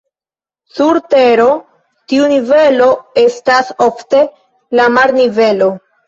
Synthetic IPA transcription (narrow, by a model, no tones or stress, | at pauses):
suɾte̞ɾo̞ | tiunive̞lo̞e̞staso̞fte̞ | lamaɾnive̞lo̞